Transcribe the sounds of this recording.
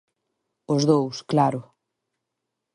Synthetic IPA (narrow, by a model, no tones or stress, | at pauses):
ʊzðowsklaɾʊ